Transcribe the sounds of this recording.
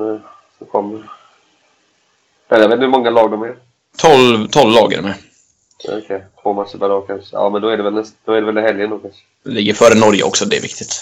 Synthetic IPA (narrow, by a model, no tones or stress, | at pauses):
nɛ | sɔkʰɔmːəɾ | mɛnjaveːt̪hɵmɔŋːalɑːɡ̚d̪ʊmːəɾ | t̪ʰɔlt̪ʰɔlvːlɑːɡə̰ɾmɛ̰ | ɔ̰kʰɛjt̪ʰvoːmat̪səbaɾɑːkʰanʂəɑ̰ːmɛnd̪ɔæɖɛvɛlnɛsd̪ɔæɖɛvɛlɪhɛljənɔkas | ɛlɪɡːəɾfœːɾənɔɾjə̰ʔɔ̰ksɔd̪ɛɛɾvɪk̚t̪ɪt̪